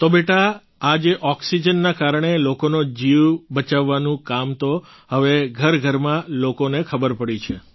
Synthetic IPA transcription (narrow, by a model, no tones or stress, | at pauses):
t̪obeʈa | ad͡ʒeʔɔksid͡ʒənːakaɾɳ̃elokonod͡ʒiʋbət͡ʃaʋːanũkamt̪o | ɦəʋeɡʱəɾɡʱəɾmãlokonekʰəbəɾpəɽit͡ʃʰe